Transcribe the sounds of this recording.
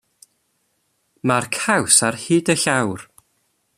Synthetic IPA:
markʰawsarhiːdəɬawr

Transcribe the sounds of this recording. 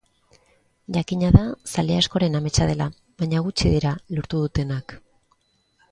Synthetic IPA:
ʝakiɲaðasaleasko̞ɾe̞name̞t͡ʃað̞e̞la | βaɲaɣut͡ʃiðiɾaloɾt̪uðut̪e̞nak

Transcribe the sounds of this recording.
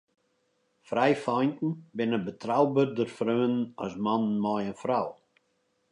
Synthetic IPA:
frɛjfɔjntn̩bɪnəbətrawbərdərfrøːənənɔ̰smannmɔjənfraw

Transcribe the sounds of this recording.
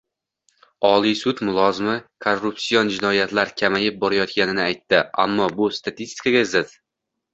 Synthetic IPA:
ɒlˠijsʊt̪mʊlˠɒzɪmɪkʰorːupsijond͡ʒɪnɒjat̪laɾkʲʰamajɪp̚bɒɾajɒt̪kʲanɪnɪajt̪ːɪa̰mːɒbʊst̪ʰat̪ist̪ɪ̥kaɡʲazɪt̪

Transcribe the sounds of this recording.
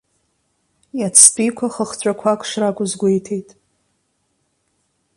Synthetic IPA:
jat͡sʰpʼikʷʰaχəχt͡ɕʷʼakʷʰakʷʰʂrakʷʼʊzɡʷejtʰe̞jtʼ

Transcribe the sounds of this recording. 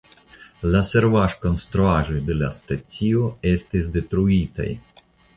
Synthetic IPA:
laseɾvaʃkonst̪ɾuaʒujd̪elast̪asʲioest̪esʲd̪et̪ɾuit̪ḛj

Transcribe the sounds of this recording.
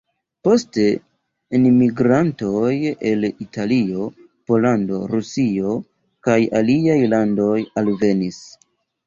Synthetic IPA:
po̞ste̞ | inmiɡɾanto̞je̞litʰalio̞ | po̞lando̞̰ɾusio̞ | kajaliajlando̞jalve̞nis

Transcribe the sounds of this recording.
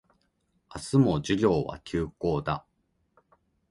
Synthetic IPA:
asɨmo̞d͡ʑiɾʲo̞ːβa̰kʲʰɨːko̞ːd̪a̰

